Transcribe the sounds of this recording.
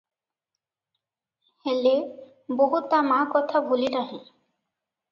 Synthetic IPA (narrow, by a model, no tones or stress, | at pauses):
hɛle | boɦut̪ːamakɔt̪ʰabʱuliɾaɦẽ